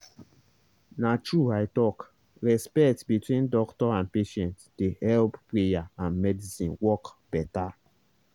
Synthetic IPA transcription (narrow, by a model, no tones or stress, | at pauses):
nat͡ʃuaɪtɔk | ɹɛspɛtbitwĩndɔktɔãn̚peʃɛ̃ntd̥ehɛlpplejaãnmɛdisĩnwɔkb̥ɛta